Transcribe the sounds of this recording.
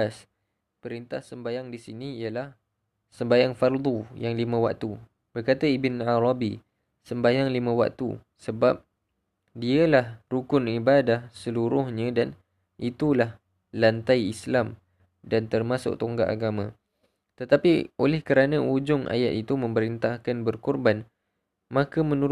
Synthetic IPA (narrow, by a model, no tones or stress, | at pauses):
as | pəɾint̪ahsəmbajaŋdisiniijəlah | səmbajaŋfard̪ujaŋlimə̃wa̰k̚t̪u | b̥ərkat̪aibɪnʕaɾɑbi | səmbajaŋlimə̃wa̰k̚t̪ṵ | səbap̚ | diəlahrukʊnibadahsəluɾʊhɲãdan | ʔit̪ulah | lant̪aiislam | dant̪ərmãsʊ̰k̚t̪oŋɡaʔa̰ɡamã | t̪ət̪apiʔolɛhkəɾanãʔud͡ʒʊŋʔa̰jat̪it̪umə̃mbəɾint̪ahkanbərkɔrban | mãkamə̃nu